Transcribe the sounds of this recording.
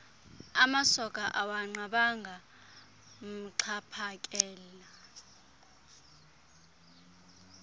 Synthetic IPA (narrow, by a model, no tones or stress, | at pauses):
amasɔkʼaʔawaŋ͡ǀaɓaŋɡʱa | m̩ǀʰapʰakʼɛːla